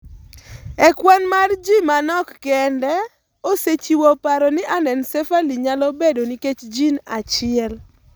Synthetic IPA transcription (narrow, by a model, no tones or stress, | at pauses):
ɛkwɛnmard͡ʒimanɔkːɛndɛ | oset͡ʃiwopaɾɔnɪʔanɛnsefaliɲalɔbedoniket͡ʃd͡ʒinat͡ʃɪɛl